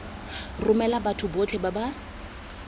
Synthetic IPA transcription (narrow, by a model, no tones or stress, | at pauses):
rʊmɛlabatʰʊbot͡ɬʰʼɛbaba